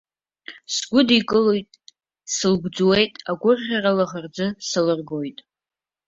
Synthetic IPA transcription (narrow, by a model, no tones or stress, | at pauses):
sɡʷʊdikʼɨlojtʼ | sɨlɡʷd͡zuwe̞jtʼaɡʷʊrʁʲaralaʁard͡zɨsalɨrɡo̞jtʼ